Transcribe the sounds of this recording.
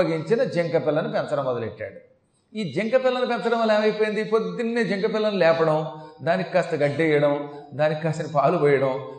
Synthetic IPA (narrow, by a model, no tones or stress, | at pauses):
ɐɡiɲt͡ʃinɐd͡ʒeŋkɐpɪlːɐnupɛnsɐɾɐmːɔd̪ɐleʈːa̰ːɽu | iːd͡ʒeŋkɐpɪlːɐnupɛnsɐɾɐmɐlɛːmɐjpojind̪ipod̪ːinːeːd͡ʒeŋkɐpɪlːɐnulɛːpɐɽɐmd̪aːnikikɐst̪ɐɡɐɖːɛjɐɽɐmd̪aːnikikɐːst̪ɐnipaːlupɔːjɐɽɐm